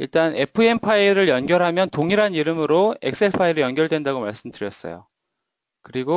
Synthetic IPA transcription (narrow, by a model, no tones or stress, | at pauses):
iɭt͈ane̞pʰɯe̞mpʰaiɾɯɭjʌnɡjʌɾɦamjʌntoŋiɾɦaniɾɯmɯɾoe̞̰k̚s͈e̞ɭpʰaiɾɯɭjʌnɡjʌɭdwe̞ndaɡomaɭs͈ɯmdɯɾjʌs͈ʌ̰jo̰ | kɯɾiɡo